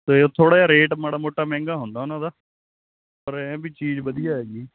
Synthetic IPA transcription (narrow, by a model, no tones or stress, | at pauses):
t̪oːoːt̪ʰoːɽaːjaːɾeːʈmaɽaːmoːʈːaːmɛ̃ːŋɡaːɦʊnd̪aːɦnãːd̪aː | pəɾɛ̃ːbiːt͡ʃiːd͡ʒbəd̪ɪjaːɦeːɡiː